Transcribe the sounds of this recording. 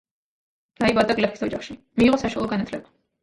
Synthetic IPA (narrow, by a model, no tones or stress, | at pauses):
ɾaibad̪ʼaɡlɛpʰisɔd͡ʒaχʃi | miːʁɔsaʃualˠɔɡanat̪ʰlɛba